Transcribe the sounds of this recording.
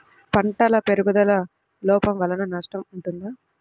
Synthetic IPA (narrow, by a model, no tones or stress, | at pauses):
pɐɳʈɐlɐpeɾuɡud̪ɐlɐ | lɔːpɐmʋɐlːɐnɐnɐʂʈɐmuɳʈund̪aː